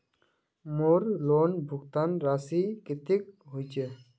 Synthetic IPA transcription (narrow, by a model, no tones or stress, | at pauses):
moɾlonbʱʊɡt̪anɾasikɪt̪ɪk̚ɦujt͡ʃe